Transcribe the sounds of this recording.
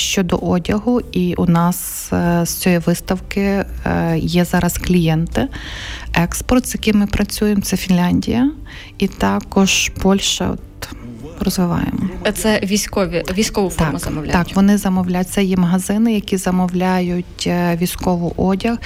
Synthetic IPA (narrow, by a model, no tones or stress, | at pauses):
ʃt͡ʃɔd̪ɔ̰ʔɔdʲɐɦʊiʔunɑs | sʲt͡sʲɔjiʋɪst̪ɐwkɪ | jɛzɑɾɐsklʲijɛnt̪ɪ | ɛkspɔrt̪z̥jɐkɪjmɪpɾɐt͡sʲujemt̪sɛfʲinlʲanʲdʲḭjɐ | it̪ɑkɔʒ̥pɔlʲʃɐ̰ɔ̰t̪ | rɔzʋɪʋɑ̰jḛmɔt̪sɛʋʲisʲkɔʋʲiʋʲisʲkɔʋʊfɑmʊzɐmɔwlʲɑkʋɔnɪzɐmɔwlʲajt̚ʲt̪sɛjɛmɐɦɐzɪnɪjɐkʲizɐmɔwlʲajʊtʲʋʲijsʲkɔʋʊʔɔdʲɐx